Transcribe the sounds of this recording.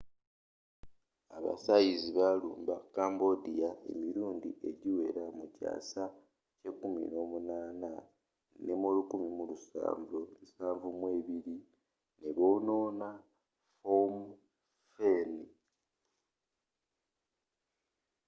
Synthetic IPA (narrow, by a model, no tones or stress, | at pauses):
aβa̰sajiziβalṵːmbakaːmbo̞dijae̞̰miɾuːndḭʔe̞ɟiwe̞ɾamuca̰ːsa | ce̞kumḭno̞munaːna | nemolukumimulusa̰ːɱvousaːɱvumwe̞ːβiɾi | neβono̞ːna | fom | feni